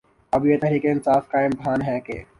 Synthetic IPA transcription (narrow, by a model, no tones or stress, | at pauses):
ɐbjeːt̪ɛɦɾiːkeɪnsaːfkaːɪmbʱaːnɦɛːkḛː